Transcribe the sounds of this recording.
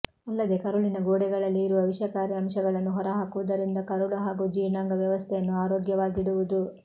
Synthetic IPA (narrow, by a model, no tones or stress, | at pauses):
ɐlːɐd̪e̞kɐɾuɭinɐɡoːɽɛɡɐɭɐlːiːɾuʋɐʋiʃjɐkaːɾiɐmʃɐɡɐɭɐnːuɦɔɾɐɦaːkuʋɐd̪ɐɾind̪ɐkɐɾuɭuɦaːɡuːd͡ʒiːɾnaːŋɡɐʋjɐʋɐst̪ʰɛjɐnːuaːɾoːɡjɐʋaːɡiɽuʋud̪u